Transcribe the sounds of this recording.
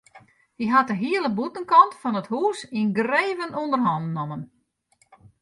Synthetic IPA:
diɦatəɦiəlˠəbutənkɔntfɔnəthuːsinɡreːvənundərɦɔndnɔmən

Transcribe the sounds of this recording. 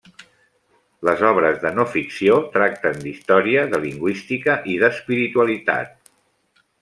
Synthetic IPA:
ləzɔβɾəzðənofiksiot̪ɾak̚t̪ənd̪ist̪ɔɾiəðəliŋɡwist̪ikəʔiðəspiɾit̪uəlit̪a̰t̪̚

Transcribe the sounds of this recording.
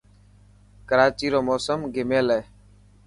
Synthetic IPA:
kəɾaːt͡ʃiːɾoːmoːsəmɡɪmeːleː

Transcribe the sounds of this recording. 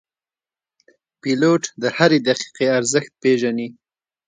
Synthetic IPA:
piloʈd̪əhaɾed̪aqi̥qeaɾzəxt̪̚peʒani

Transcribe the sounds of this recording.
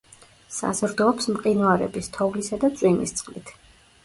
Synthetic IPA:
sa̰zɾd̪ɔːpsmqʼinwaɾɛ̰bist̪ʰɔvlisad̪at̪sʼwinḭst̪sʼχqʼlit̪ʰ

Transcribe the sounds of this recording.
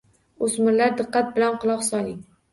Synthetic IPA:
ɵsmɪɾlaɾd̪ɨqːɑt̪̚bɪlanqʊlˠɒqsɒlˠɪŋ

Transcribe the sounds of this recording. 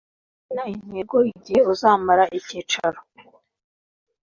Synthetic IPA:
nain̥heːɾɡoiɟiheuzaːmaɾaʔicit͡ʃaɾo

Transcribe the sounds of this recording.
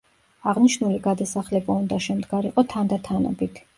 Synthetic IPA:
aʁniʃnuliɡad̪asaχlɛbaund̪aʃɛmd̪ɡaɾiqʼɔt̪ʰand̪at̪ʰanɔ̰bit̪ʰ

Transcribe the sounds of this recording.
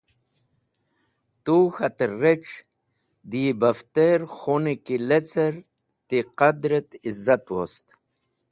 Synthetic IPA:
t̪uxat̪ereʈ͡ʂ | d̪ibaft̪eɾxonikilet͡seɾ | t̪iqad̪ɾet̪izat̪wost̪

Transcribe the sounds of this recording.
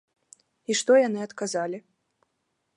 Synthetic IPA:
iʂt̪ɔjanɨɐt̪kazalʲi

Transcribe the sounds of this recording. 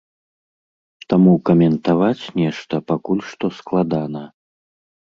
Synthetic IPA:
t̪amukɐmʲɛnt̪avat͡sʲnʲɛʂt̪ɐpakulʲʂt̪ɔsklˠad̪anɐ

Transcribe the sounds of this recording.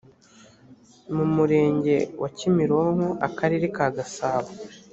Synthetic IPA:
mumuɾe̞ːɲɟe̞wʔacimiɾoŋoʔakaɾiɾikaɡasaːβa

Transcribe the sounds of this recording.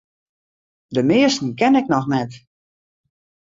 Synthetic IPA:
dəmɪəstn̩kɛnɛk̚nɔxnɛt

